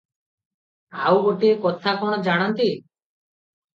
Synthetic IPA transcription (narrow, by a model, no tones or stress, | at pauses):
awɡoʈiekɔt̪ʰakɔɽ̃ɔd͡ʒaɽ̃ɔnt̪i